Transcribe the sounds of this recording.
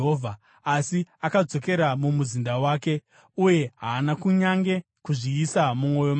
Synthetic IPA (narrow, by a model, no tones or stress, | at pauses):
ɦovʱa | asiakad͡zo̞ke̞ɾamumuzindawaːke̞ | uje̞ɦaːnakuɲaŋɡe̞ | kuʐiːsamumo̞jo̞m